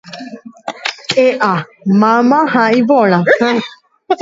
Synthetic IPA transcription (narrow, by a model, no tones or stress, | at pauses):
eʔamamãɦãivɔl̃ã